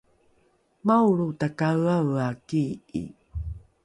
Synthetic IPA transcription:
mawɭutakawawakiḭ

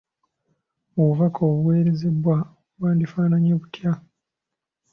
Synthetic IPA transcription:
oβuvakʰoːβuwe̞ːɾeze̞bwa | βwaːndifaːnaɲeβutja

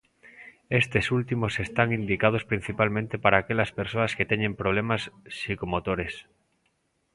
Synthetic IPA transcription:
est̪esult̪imosest̪aŋind̪ikað̞ospɾin̟θipalmẽnt̪epaɾaːkelaspeɾsoasket̪eɲẽmpɾoβ̞lemasːikomot̪oɾes

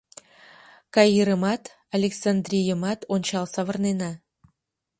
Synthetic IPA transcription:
kɑjiɾəmɑt̪ | alʲeksand̪rʲijəmɑt̪onʲt͡ɕɑlˠsɑvə̆rnenɑ

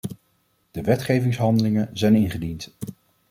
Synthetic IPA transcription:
d̥əʋɛtχejvɪŋsɦɑndəlɪŋənzɛjnɪnχədint

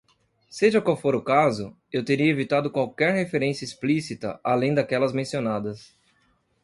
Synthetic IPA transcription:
seʒɐkwawfoɾʊkazʊ | ewt̪eɾiɐevit̪ad̪ʊkwawkɛɾhefeɾẽsjɐisplisit̪ɐ̰ʔalẽj̃d̪akɛlɐzmẽsionad̪ɐs

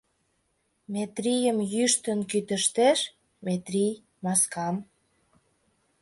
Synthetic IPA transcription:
met̪ɾijəmjyʃt̪ə̆nkyt̪ə̆ʃt̪eʃ | met̪ɾij | mɑskɑm

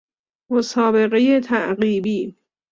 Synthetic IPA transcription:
mosɒːbe̞ɣejet̪ʰæʔɢiːbiː

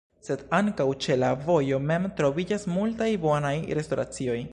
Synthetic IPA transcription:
se̞daŋkawt͡ʃe̞lavo̞jo̞me̞mtɾo̞vid͡ʒasmultajbo̞najɾe̞sto̞ɾa̰t͡sio̞j

